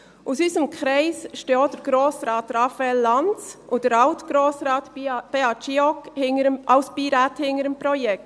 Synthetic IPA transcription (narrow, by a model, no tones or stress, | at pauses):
ʔusyːsəmkʰɾɛɪsʃtɔːt̚d̥əɾɡ̥ɾoːsɾɑːtɾɑfɛlːɑnt͡sʔʊdəɾɑʊtɡ̥ɾoːsɾɑːtb̥eɑt͡ʃiɔkhɪŋəəʔɑʊspiɾathɪŋəɾəmpɾɔjɛkt